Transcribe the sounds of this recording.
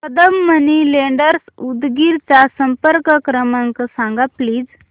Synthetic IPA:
pəd̪əmːənileɳɖəɾsud̪ɡiɾt͡sasəmpəɾkəkɾəmaŋkəsãŋɡapliːd͡z

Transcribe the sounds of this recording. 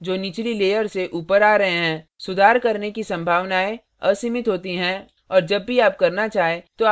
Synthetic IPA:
d͡ʒoːnɪt͡ʃlileːjəɾseʔuːpəɾaːɾɐɦeɦɛ̃ːsʊd̪ʱaːɾkɐɾnekisɐ̃mbʱaːʋnaːe | ɐsiːmɪt̪ɦoːt̪iɦɛ̃ | ɔːɾd͡ʒɐbːʱiaːp̚kɐɾnat͡ʃaːɦet̪o

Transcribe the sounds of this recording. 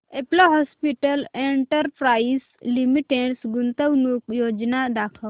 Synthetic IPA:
eploɦɔspiʈəleɳʈəɾpɾais | limiʈeɽsɡunt̪əwnukjod͡ʒnad̪akʰə

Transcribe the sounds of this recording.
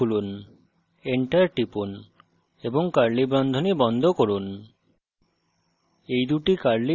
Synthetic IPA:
ulun | eɳʈaɾʈipun | eboŋkaɾlibɾɔnd̪ʱonibɔnd̪ʱokoɾun | ejd̪uʈikaɾli

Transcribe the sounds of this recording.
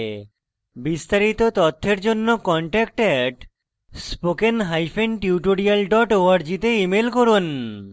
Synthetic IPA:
bist̪aɾit̪ot̪ɔt̪ʰːeɾd͡ʑonːokɔɳʈɛk̚ʈɛʈ | spokenɦajfʰenʈiuʈoɾialɖɔʈoaɾd͡ʑit̪eimelkoɾun

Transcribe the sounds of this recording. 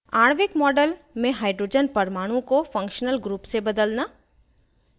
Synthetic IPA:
aːɽ̃ʋɪkmɔːɖəl | mẽɦaːɪɖɾoːd͡ʒənpɐɾmaːɽ̃ũkofɐ̃ŋkʃnəlɡɾuːpsebɐd̪əlnaː

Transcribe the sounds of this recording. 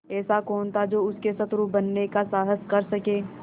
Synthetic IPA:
ɛːsakɔːnt̪ʰad͡ʒoːʊskesɐt̪ɾubɐnːekasaːɦəskɐɾsɐkẽː

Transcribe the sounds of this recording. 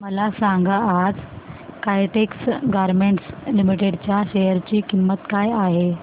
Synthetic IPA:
məlasãŋɡaad͡zkajʈeksɡaɾmeɳʈslimiʈeɖt͡ɕjaɕejəɾt͡ɕiːkimːət̪kajaɦe

